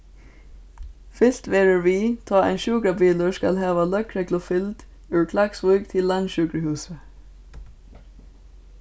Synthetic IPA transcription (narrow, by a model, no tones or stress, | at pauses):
fɪst̪ʋeːɹəɹʋiːt̪ʰɑːæ̰ɪnʃʉːɡɾɑbiːləskɑ̰lhɑːʋɑlœkɾɛɡlʊfɪld̪̥ | ʉːɹkʰlɑksʋʊːɡt̪ʰɪllːɑnʃʉːɡɾəhʉːsə